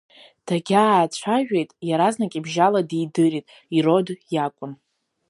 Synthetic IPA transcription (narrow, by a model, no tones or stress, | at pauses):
d̥aɡʲaːt͡ɕʷʰaʒᶣejtʼjaɾaznakʲʼibʒaladijdɨritʼ | iro̞djakʷʼʊn